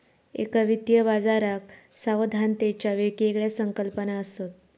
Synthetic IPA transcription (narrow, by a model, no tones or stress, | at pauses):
ḛkaʋit̪jəbad͡zaɾak | saʋd̪ʱant̪et͡ɕjaʋekiekɭjasəŋkəlpənaəsət̪̚